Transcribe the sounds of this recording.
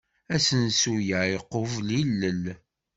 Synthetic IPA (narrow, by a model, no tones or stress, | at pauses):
æsənsujaiqːovlilːəl